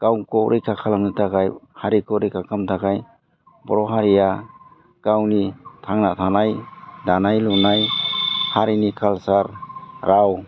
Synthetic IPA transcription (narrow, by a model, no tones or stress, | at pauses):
kawkɔɾʔijkʰakʰalamnɯtʰakajhaɾikɔɾijkʰakʰamtʰakaj | bɔɾɔɦaɾija | kawnitʰaŋnatʰanajdanajlunajhaɾinikʰalsaɾɾaw